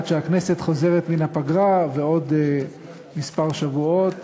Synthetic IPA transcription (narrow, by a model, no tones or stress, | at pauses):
tʃeaknese̞t̪χo̞ze̞ʁet̪minapaɡʁaveo̞d̪ | mispaʁʃavuo̞t̪